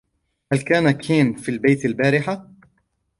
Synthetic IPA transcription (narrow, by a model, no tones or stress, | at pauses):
halkaːnakʰeːnfiːlbejt̪albaːɾɪħa